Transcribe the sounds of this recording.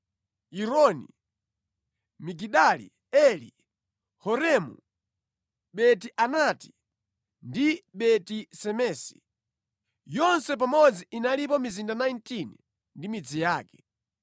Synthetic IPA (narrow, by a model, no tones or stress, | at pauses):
iɾɔnḭ | miɡiɗalḭ | ɛli | hɔɾɛmṵ | ɓɛtiʔanati̥ | ndiɓɛtisɛmɛːsi̥̰ | jɔnsɛp̬amɔd͡ziinalip̬ɔmizindanajntin | ndimid͡zijaːkɛ̥